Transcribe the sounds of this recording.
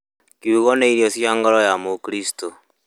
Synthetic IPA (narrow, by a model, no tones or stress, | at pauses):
kiuɣoneinijosjaŋɡɔɾɔjamokɾisi̥to